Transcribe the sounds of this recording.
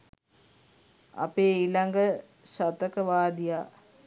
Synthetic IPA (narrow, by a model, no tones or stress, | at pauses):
a̰peːilaŋɡə | ʃat̪əkəʋaːd̪ijaː